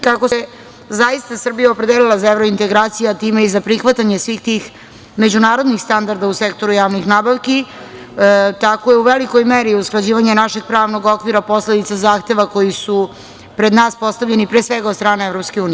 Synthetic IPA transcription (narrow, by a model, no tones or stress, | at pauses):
kako̞se | zajist̪asr̩bijaopɾed̪elilˠazaevɾo̞int̪eɡɾaːt̪sijaat̪iːme̞izapɾixʋat̪aɲesʋiːxt̪ix | me̞d͡ʑunaːɾo̞d̪nixst̪and̪aɾd̪ausekt̪o̞ɾujaːʋnixnaːbaʋki | t̪ako̞jeuʋeliko̞jmeɾiusklˠad͡ʑiːʋaɲenaʃe̞ɡ̚pɾaːʋno̞ɡo̞kʋiɾapo̞sled̪it̪sazaːxt̪e̞ʋako̞jisu | pɾed̪naːspo̞st̪aʋʎenipɾeːsʋeɡad̪st̪ɾaːneevɾo̞pskeuːnie